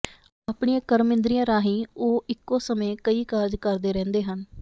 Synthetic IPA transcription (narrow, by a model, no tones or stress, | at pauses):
aːpɳiãːkəɾmɪ̃nd̪ɾiːãːɾaːɦiːoːʔɪkːõːsəmẽːkəiːkaɾd͡ʒkəɾd̪eːɾɛ̃ːnd̪eːɦən